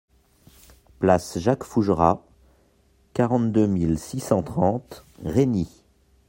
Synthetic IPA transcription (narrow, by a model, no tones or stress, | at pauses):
plasʒakfuʒʁa̰ | kaʁɑ̃t̪d̪ømilsisɑ̃t̪χɑ̃t̪ʁeni